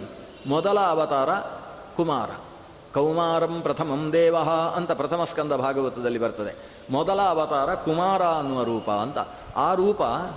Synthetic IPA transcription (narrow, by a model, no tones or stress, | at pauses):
mɔd̪ɐlɐːʋɐt̪aːɾɐ | kuma̰ːɾɐ̰ | kɐwmaːɾɐmpɾɐt̪ʰɐmɐmd̪ɛːʋɐɦɐɐnt̪ɐpɾɐt̪ʰɐmɐskɐnd̪ɐbʱaːɡɐʋɐt̪ɐd̪ɐlːibɐɾt̪ɐd̪e | mɔd̪ɐlɐːʋɐt̪aːɾɐkumaːɾaːɐnuʋɐɾuːpɐ̰ːnt̪ɐ̰ | aːɾuːpɐ